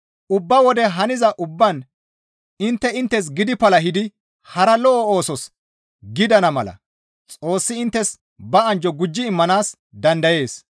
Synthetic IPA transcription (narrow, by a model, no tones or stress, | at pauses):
ʔʊbːɐwɔd̪ɛɦɐnɪzɐʔʊbːɐn | ɪnt̪ːɛɪnt̪ːɛs̬ɡɪd̪ɪpɐlɐɦɪd̪ɪ | hɐɾɐlɔʔɔo̞ːsɔs | ɡɪd̪ɐnɐmɐ̰lɐ̰ | t͡sʼo̞ːsːɪɪnt̪ːɛs | bɐɐnd͡ʒɔɡʊd͡ʒːɪːmːɐnaːs | d̪ɐnd̪ɐje̞ːs